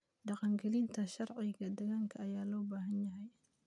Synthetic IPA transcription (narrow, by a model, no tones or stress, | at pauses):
ɖɑqɑŋɡɛlint̪ʰɐʃɐɾʕɪɣɐd̪ɐɣaŋkʰɐːjaːlɔːbaːɦɐnjɐɦɛj